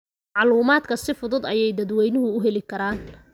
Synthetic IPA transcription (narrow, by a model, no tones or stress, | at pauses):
ʕɑluːmaːd̪kʰɐsɪfʊðʊd̪ɐjɛjd̪ɐd̪wɛjnʊɦʊʊɦɛlɪkʰɐɾaːn